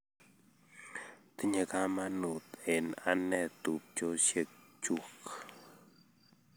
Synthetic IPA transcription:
t̪ə˦ɲə˨kama˦nu˨t̪e˨na̰nɛ˨t̪u˨p̚t͡ʃo˦ʃe˦k̚t͡ʃuk

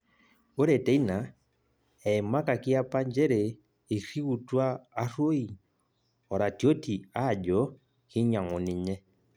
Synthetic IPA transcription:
o˦ɾɛ˨tɛ˦i˦na˨ | ɛ˨ma˦ka˨ki˦a˦pa˦ɲd͡ʒɛ˦ɾɛː˨ | ɾi˦ɣu˨twaː˦ɾo˦i˨ | ɔ˨ɾa˨tjo˦tʰi˨a˦˨d͡ʒɔ˨˦ | ki˦ɲa˨ŋɔ˨ni˨ɲɛ˦

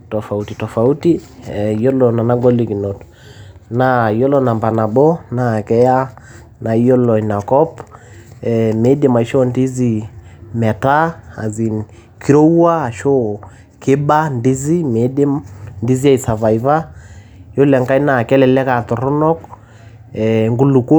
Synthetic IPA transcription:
tɔ˨fa˨uti˨tɔ˨fa˨u˦ti˦jɔ˦lɔ˨na˨na˦ɡo˦li˨ki˨no˨tɔ | na˨jɔ˦lɔ˦na˨mba˨na˨bɔ˦na˨kɛ˦ja˦ | na˨i˦jɔ˦lɔ˨i˨na˨kɔ˦p | ɛme˦de˦ma˨i˨ʃɔ˦ndi˦zi˦˨mɛ˨ta˦a̰˨zi˨n | ki˦ɾo˦wwaː˦˨ʃo˦ | ke˦ba˦ndi˦zi˦me˨˦de˦mndi˦zi˦a˨i˨sa˨va˨i˨va˦ | jo˦lɛ˨ŋka˦i˦na˨kɛ˦lɛ˨lɛ˦ka˨tɔ˨ɾɔ˦nɔ˦k̚ | ɛ˨ŋɡu˦lu˨ko˦

